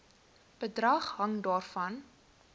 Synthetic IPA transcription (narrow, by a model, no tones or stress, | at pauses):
b̥ədrɐχɦɐŋdɑːrfɐn